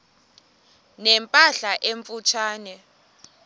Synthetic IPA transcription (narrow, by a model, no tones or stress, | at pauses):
nɛmpʼaɬaʔeɱfut͡ʃʰaːnɛ